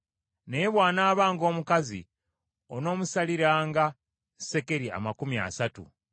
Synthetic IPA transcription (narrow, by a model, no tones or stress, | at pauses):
neβwaːnaːβaːŋɡo̞ːmukazḭ | ono̞ːmusaliɾaːŋɡa | se̞ke̞ɾia̰makumia̰satṵ